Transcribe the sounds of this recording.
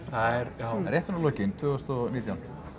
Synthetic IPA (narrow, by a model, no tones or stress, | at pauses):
aɛɾaɛɾejht̪vanːlɔcɪnt̪ʰvʏːɣʏst̪ɔniːt̪jawn